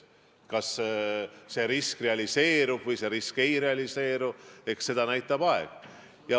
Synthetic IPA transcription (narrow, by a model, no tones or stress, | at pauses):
kɑs | se̞ɾiskre̞ɑlʲise̞ːɾub̥vɤjse̞ɾiske̞jre̞ɑlʲise̞ːɾue̞ksse̞d̪̥ɑnæjt̪ːˑɑb̥ɑeɡ̥ | jɑ